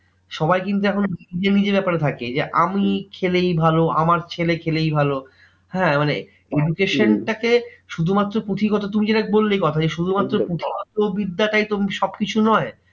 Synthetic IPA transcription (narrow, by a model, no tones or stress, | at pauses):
ʃɔbajkint̪̬uɛkʰond͡ʑenid͡ʑebɛpaɾet̪ʰakḛd͡ʑeʔamikʰelejbʱaloa̰maɾt͡ɕʰelekʰelejbʱalo | hɛ̃ːmane | eɖukeʃonʈakeʃud̪ʱumat̪ːɾopɾot̪ʰikɔt̪ot̪umid͡ʑeʈakebolːejkɔt̪ʰad͡ʑeʃud̪ʱumat̪ːɾopɾot̪ʰikɔt̪obid̪ːaʈajt̪omʃɔbkit͡ɕʰunɔe